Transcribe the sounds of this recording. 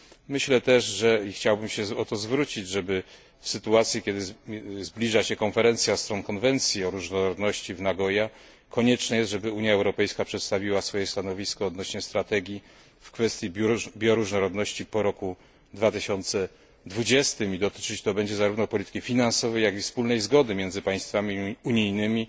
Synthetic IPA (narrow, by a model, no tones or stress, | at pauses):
mɘɕlɛt̪ɛʂʐɛixt͡ɕawbɘmɕɛɔt̪ɔzvɾut͡ɕid͡ʑʐɛbɘ | fsɘt̪uat̪sʲjikʲɛd̪ɘzblʲiʐaɕɛkɔnfɛɾɛnt̪sʲjast̪ɾɔnkɔnvɛnt̪sʲjiɔɾuʐnɔɾɔd̪nɔɕt͡ɕivnaɡɔja | kɔɲɛt͡ʂnɛjɛst̪ʐɛbɘuɲjaɛwɾɔpɛjskapʂɛt̪st̪avʲiwasfɔjɛst̪anɔvʲiskɔːd̪nɔɕɲɛst̪ɾat̪ɛɡʲji | fkfɛst̪ʲjibʲjɔɾuʐnɔɾɔd̪nɔɕt͡ɕipɔɾɔku | d̪vat̪ɘɕɔnt̪sɛ | d̪vud͡ʑɛst̪ɘmid̪ɔt̪ɘ̥t͡ʂɘt͡ɕt̪ɔbɛɲd͡ʑɛzaɾuvnɔpɔlʲit̪ɘ̥kʲifʲinansɔvɛjːjaɡifspulnɛjzɡɔd̪ɘmʲjɛnzɘpaj̃st̪famʲiuɲijnɘmʲi